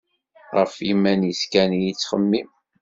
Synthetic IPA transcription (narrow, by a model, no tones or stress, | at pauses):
ʁəfimːænjəskænijit͡sːχəmːim